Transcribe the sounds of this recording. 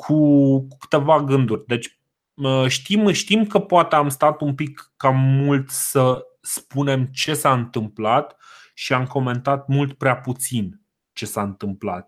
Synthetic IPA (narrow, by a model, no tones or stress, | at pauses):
kʰukukɨ̥t̪e̞vaɡɨnd̪urʲd̪e̞t͡ʃʲ | əʃt̪imʃt̪imkəpoat̪eamst̪at̪umpikːamult̪sə | spune̞mt͡ʃe̞saɨnt̪ɨmplat̪ | ʃiamko̞me̞nt̪at̪̚mult̪pɾeaput̪sin | t͡ʃe̞saɨnt̪ɨmplat̪̚